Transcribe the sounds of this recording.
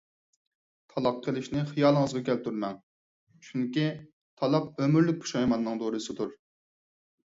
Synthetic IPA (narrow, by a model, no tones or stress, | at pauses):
t̪ʰɑlˠɑqʰːəlˠɪʃnɪχijɑːlˠəŋəzʁɑkʲɛlpt̪ʰyɾmɛŋ | t͡ʃʰuŋkʲi | t̪ʰɑlˠɑp̚ømyɾlyk̚ʲpʰu̥ʃɑjmɑnːɨŋd̪oɾɨsɨd̪uɾ